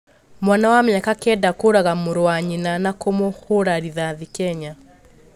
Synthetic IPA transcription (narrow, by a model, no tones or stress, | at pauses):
mwanawamɲakakɛdakoɾaɣamoɾowaɲinanakomohoɾaɾiðaðikɛɲa